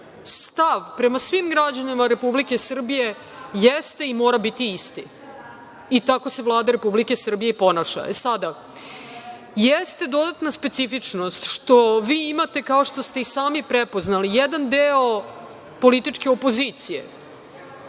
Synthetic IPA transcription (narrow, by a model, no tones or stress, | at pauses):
st̪aʋpɾe̞masʋimɡɾad͡ʑanimaɾe̞publike̞sr̩bije̞ | jest̪e̞imo̞ːɾabit̪iist̪i | it̪ako̞se̞vlˠaːd̪aɾepublike̞sr̩bijepo̞naʃa̰esad̪a | jest̪e̞d̪o̞d̪at̪naspet̪sifit͡ʂno̞st̪ʃt̪o̞ʋiːimat̪e̞kao̞ʂt̪o̞st̪e̞isaːmipɾepoznalijed̪and̪eo | po̞lit̪it͡ʂke̞opo̞ziːt̪sije̞̰